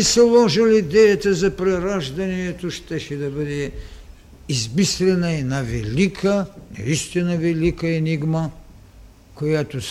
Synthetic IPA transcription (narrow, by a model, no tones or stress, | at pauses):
sɛlˠɔʒəlid̪ɛjət̪əzɐpɾɛɾaʒd̪ɐniɛt̪oʃt̪ɛʃɛd̪ɐbəd̪ɛ | izmislɛnɐɛnavɛlikʰənɐ̰ist̪inɐvɛlikəɛniɡmə | kojat̪o